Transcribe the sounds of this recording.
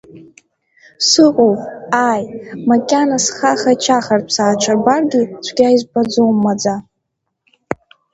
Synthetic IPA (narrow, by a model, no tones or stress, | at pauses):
sɨqʷʼowpʼajmakʲʼanasχaχat͡ʃʰaχarʰsaːt͡ʃʷʰarbarɡʲit͡ʃʷʰɡʲajizbad͡zomːad͡za